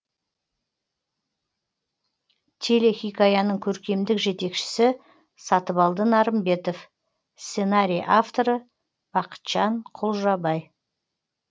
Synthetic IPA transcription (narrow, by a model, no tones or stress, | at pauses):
t̪ʲʰele̞xʲijkajɑnəɴkʲʰɵɾkʲe̞md̪ɪkʒe̞t̪e̞kʃɪ̥sɪ | sɑt̪əβɑlˠd̪ənɑɾəmbe̞t̪o̞f | sse̞naɾʲijʔaft̪o̞ɾə | b̥ɑqə̥t̪ʒ̥ɑɴqʰʊlˠʒɑbɑj